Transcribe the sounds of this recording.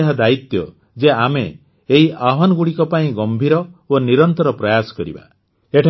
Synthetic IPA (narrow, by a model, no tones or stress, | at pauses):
eɦad̪ait̪jɔ̰ | d͡ʒeame | eɦiʔaɦanɔɡuɽikɔpaĩɡɔmbʱiɾɔoniɾɔnt̪ɔɾɔpɾɔjasɔ̥kɔɾḭba̰ | eʈʰ